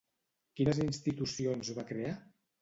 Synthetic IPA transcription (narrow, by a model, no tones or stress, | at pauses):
kinəzinst̪it̪usionzβakɾea